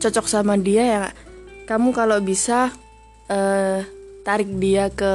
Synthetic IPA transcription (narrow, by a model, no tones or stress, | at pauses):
t͡ʃɔt͡ʃɔk̚samadiajakamukalobisa | əː | t̪aɾɪk̚diakə